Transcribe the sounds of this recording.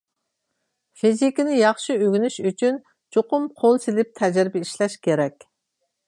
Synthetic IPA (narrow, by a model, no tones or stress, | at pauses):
fizikʲinɪjɑχʃiøɡʲynyʃyt͡ʃʰyn | t͡ʃʰoqʊmqʰolˠt͡ʃʰilɪp̚t̪ʰɛd͡ʒɪɾbɛiʃlɛʃkʲʰeɾɛkʲ